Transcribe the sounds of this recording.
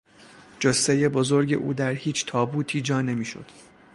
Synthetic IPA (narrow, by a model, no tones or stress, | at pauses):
d͡ʒoseje̞bozo̞ɾɟe̞̰ʔṵːd̪æɾhiːt͡ʃʰt̪ʰɒːbuːt̪ʰiːd͡ʒɒːne̞miːʃo̰d̪̥